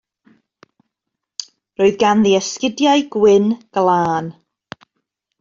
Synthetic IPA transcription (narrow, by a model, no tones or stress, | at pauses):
roːɨðɡanðiɛskɪdjajɡ̥wɪnɡ̥lˠaːn